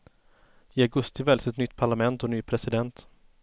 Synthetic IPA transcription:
ɪaɡɵst̪ɪvɛlsɛt̪nʏt̪ːpʰaɭamɛnt̪ɔnyːpʰɾɛsɪd̪ɛnt̪

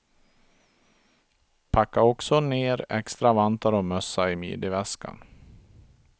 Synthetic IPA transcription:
pʰakːaɾɔksɔneːɾɛ̰kst̪ɾavant̪aɾɔmœsːaɪmy̰ːd̪ɪvɛskʰa̰n

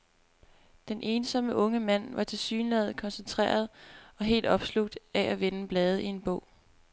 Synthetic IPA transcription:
d̥enʔe̝ːnsɒ̽məʔɔ̽ŋəmæn̰ʋɑ̈t͡sʰe̝lsy̰ːnlɛð̞̩ˠkʰɒ̽nsent͡sʰʁɛ̰ːɐð̞̩ˠɒ̽ɦe̝̰ːld̥ɒ̽b̥sluɡ̥̚d̥æʔæʋenəb̥lɛːð̞ˠəie̝nb̥ɔ̰̽ʊ̰

